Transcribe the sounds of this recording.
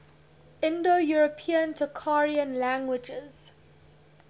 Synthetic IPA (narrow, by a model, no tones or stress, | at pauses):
ɪ̃ndojuɹopʰiə̃ntʰəkʰaɹiə̃nlæ̃ŋɡwɪd͡ʒɪz̥